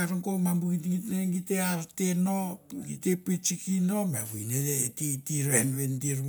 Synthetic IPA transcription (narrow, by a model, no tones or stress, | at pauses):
aɾŋkomambuɡitŋitneɡiteaɾtenoŋɡitepet͡ʃikino̞meβujnetitiɾenβendiɾ